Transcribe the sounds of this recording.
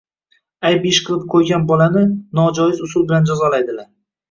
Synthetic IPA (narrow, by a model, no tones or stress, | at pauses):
ajbɪʃqʰɨlˠɪp̚qʰojɡʲanbɒlanɪnɒd͡ʒɒjɪzʊsʊlˠbɪland͡ʒazɒlajd̪ɪlaɾ